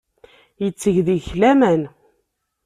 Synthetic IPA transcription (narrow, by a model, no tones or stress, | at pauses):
jət͡sːəʝðiçlæmæn